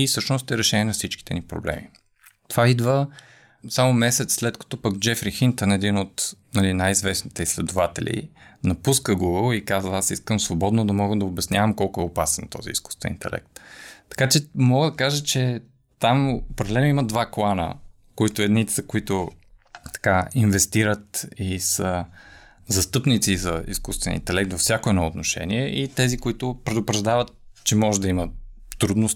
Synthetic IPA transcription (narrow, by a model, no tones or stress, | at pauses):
ifsɤʃnost̪ɛɾɛʃɛniɛnɐfsit͡ʃki̥t̪ɛnipɾo̰blɛ̰mi | t̪ovaid̪və | samʊmɛsɛt̪sslɛt̪kɐ̥t̪ɔpəkd͡ʒɛfɾixint̪ənɛd̪inot̪nɐlinajizvɛsnit̪ɛislɛd̪ʊvat̪ɛ̰lʲḭnɐpuskəɡuɡəlˠikazəasiskəmsvobɔd̪nod̪ɐmɔɡəd̪ɐʊbɛsnʲjavəmkɔlˠkʊɛopasɛnt̪ɔ̰zḭḭsku̥st̪ɛ̰nḭnt̪ɛ̰lɛ̰k̚t̪ːɐ̥kat͡ʃɛmɔɡəd̪ɐkaʒət͡ʃɛ | t̪amopɾɛd̪ɛlɛnoiməd̪vaklˠanə̰ | koit̪ʊɛd̪nit̪ɛ̥sɐkʊit̪ʊt̪ɐ̥kainvɛst̪iɾət̪isə | zɐst̪ɤpnit̪sizɐḭskust̪vɛnḭnt̪ɛlɛk̚t̪vɐfsʲjakʊɛd̪nɔot̪noʃɛ̰niɛʔit̪ɛzikʊit̪ʊpɾɛd̪ʊpɾɐʒd̪avət̪t͡ʃɛmɔʒɛd̪ɐimə | ɾud̪nʊs